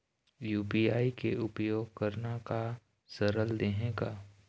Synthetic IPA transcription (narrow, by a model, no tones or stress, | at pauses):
juːpiːaːikeʔʊpjoːɡ̚kəɾnaka | səɾəld̪eɦẽɡa